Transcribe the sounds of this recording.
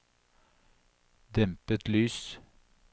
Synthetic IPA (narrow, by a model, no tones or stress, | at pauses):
d̪ɛmpət̪lyːs